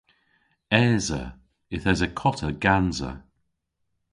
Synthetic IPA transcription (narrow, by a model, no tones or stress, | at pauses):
ɛːzə̰ | ɪθɛzəkʰɔtʰəɡanzə̰